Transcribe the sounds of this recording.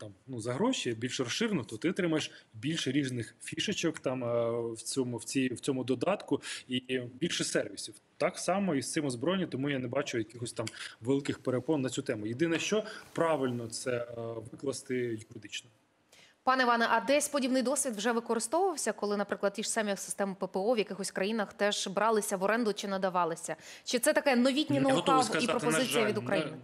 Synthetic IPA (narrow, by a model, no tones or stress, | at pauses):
t̪ɑmnuzɐɦɾɔʃibʲilʲʃɾɔsɪɾɪnʊt̪ɔt̪ɪɔt̪ɾɪmɐjeʃbʲilʲʃɛɾʲiznɪxfʲiʃet͡ʃɔkt̪ɑmwt͡sʲɔmʊwt͡sʲijwt͡sʲɔmʊd̪ɔd̪ɑt̪kʊibʲilʲʃɛsɛrʋʲisʲiw | t̪ɑksɑmɔist̪ɛmʊzbɾɔjɪnʲit̪ɔmujanɛbɑt͡ʃʊjɐkʲɪxɔsʲt̪ɑmʋelˠɪkɪxpeɾepɔnːɐt͡sʲut̪ɛmʊjed̪ɪnɛʃt͡ʃɔpɾɑʋɪlʲnɔt̪sɛʋɪklˠɐst̪ɪjʊɾɪd̪ɪt͡ʃnɔ | pɑnɛiʋɑnɛʔɐd̪ɛsʲpɔdʲibnɪjd̪ɔsʲʋʲid̪wʒɛʋɪkɔɾɪst̪ɔʋʊʋɐwsʲɐkɔlˠɪnɐpɾɪklˠɐd̪ʲiʂsɛmʲixsɪ̥st̪ɛmpepeɔʋjɐkɪxɔsʲkɾɐjinɐxt̪ɛʒ̥bɾɑlˠɪsʲɐʋɔɾɛnd̪ʊt͡ʃɪnɐd̪ɐʋɑlˠɪsʲɐt͡ʃɪt̪sɛt̪ɐkɛnɔʋʲitʲnʲinɐʊɦɔt̪ɔɔʋskɐzipɾɔpɔɪijɐʋʲid̪ʊkɾɐjinɪ